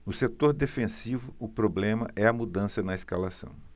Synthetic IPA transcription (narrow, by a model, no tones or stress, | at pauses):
nʊset̪oɾd̪efẽsivʊʊpɾoblẽmɐʔɛɐmud̪ɐ̃sɐnɐeskalasɐ̰̃w̃